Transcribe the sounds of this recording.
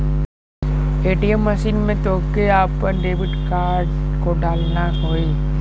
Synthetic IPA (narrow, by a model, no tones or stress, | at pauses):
eːʈijəmːəʃiːnmẽt̪oːkeaːpːəɾɖeːbɪʈkaːɾɖkoɖaːlnaɦoːi